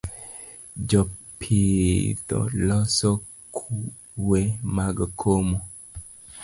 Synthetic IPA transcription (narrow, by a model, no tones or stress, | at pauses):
d͡ʒɔpʰid̪ɔ̰lɔsɔ | kʰu | wemaɡakʰomo